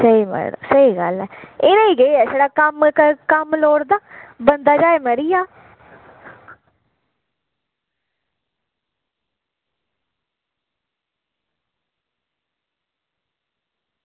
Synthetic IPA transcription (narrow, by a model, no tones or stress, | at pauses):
səiːmə̰ɽ̰səiːɡəlɛːeːɾaiːɡeeɛːseːɽaːkəmkkəmloːɽd̪aːbənd̪aːd͡ʒaːeməɾijaː